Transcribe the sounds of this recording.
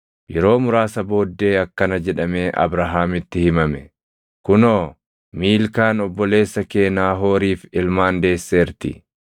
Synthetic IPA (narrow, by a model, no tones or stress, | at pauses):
jɛɾo̞ːmʊɾaːsɐbo̞ːd̪ːe̞ːɐkːɐnɐd͡ʒɛᶑɐme̞ːʔɐ̰bɾɐɦaːmɪt̪ːɪhɪmɐmɛ | kʊnoː | miːlkaːnɔbːɔle̞ːsːɐke̞ːnaːɦo̞ːɾiːfɪlmaːnd̪e̞ːsːe̞ːɾt̪ɪ̰